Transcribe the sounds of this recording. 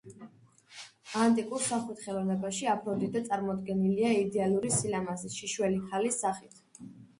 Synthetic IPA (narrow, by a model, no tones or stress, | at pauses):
ant̪ʼikʼuɾsaχɛt̪χɛlˠɔvnɛbaʃiapʰɾɔd̪id̪at̪sʼaɾmɔd̪ɡɛniliaid̪ɛalˠuɾisilamaziʃiʃwɛliχʰalisːaχit̪ʰ